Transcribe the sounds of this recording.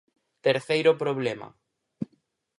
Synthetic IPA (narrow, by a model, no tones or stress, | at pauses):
t̪eɾθejɾʊpɾoβlemɐ̰